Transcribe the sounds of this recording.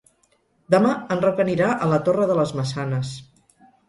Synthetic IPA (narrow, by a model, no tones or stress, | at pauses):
d̪əmaənrəkəniɾaʔələt̪orəðələzməsanəs